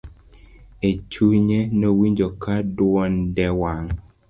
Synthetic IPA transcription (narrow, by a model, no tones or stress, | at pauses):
et͡ʃuɲenowiɲd͡ʒokadwɔndɛwaŋ